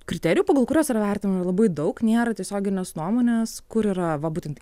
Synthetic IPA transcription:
kɾʲɪt̪ʲɛːɾʲɪjuːpoːɡɐlˠkʊɾʲoːsɪɾɐʋʲɛɾʲt̪ʲɪnmɪɾɐlˠɐbɐɪd̪ɐʊknʲeːɾɐt̪ʲiɛsʲoːɡʲɪnʲeːsnuɔmoːnʲeːskʊɾiːɾɐʋɐbuːt̪ʲɛnt̪

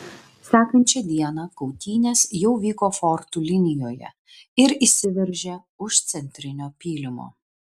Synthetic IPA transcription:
sʲæːkɐnʲt͡ʃʲɛd̪ʲiɛnɑkɒʊt̪ʲiːnʲesjɛʊʋʲiːkoːfɔɾt̪uːlʲɪnʲɪjoːjɛ̰ | ɪɾisʲɪʋʲɛɾʲʒʲɛ | ʊʃt̪sʲɛnʲt̪ʲɾʲɪnʲoːpʲiːlʲɪmo̰ː

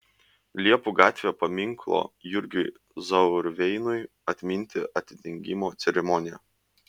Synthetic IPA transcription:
lʲiɛpuːɡɑːt̪ʲʋʲjoːpɐmʲɪŋklˠo̰ːjʊɾʲɡʲʊɪ | zɐʊɾʋʲɛɪnʊɪ | ɐt̪ʲmʲɪnʲt̪ʲɪʔɐt̪ʲɪd̪ʲɪŋʲɡʲɪmoːt̪sʲɛɾʲɛmɔnʲɪjɛ

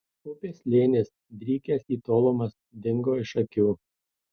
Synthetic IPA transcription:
ʊpʲeːslʲeːnʲeːs | d̪ʲɾʲiːkʲeːsiːt̪oːlˠomɐs | d̪ʲɪŋɡoːɪʃɐkʲuː

